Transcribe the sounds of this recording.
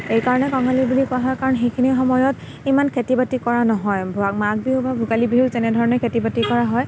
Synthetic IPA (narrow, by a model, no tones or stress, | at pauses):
ejkaɹɔnɛkɔŋalibulikʊaɦɔjkaɹɔnxejkʰinixɔmɔjɔt | imankʰetibatikɔɹanɔɦɔjbʱɔwak̚mak̚biʊbabʱuɡalibiʊzɛnɛdʱɔɹɔnɔɹkʰetibatikɔɹaɦɔj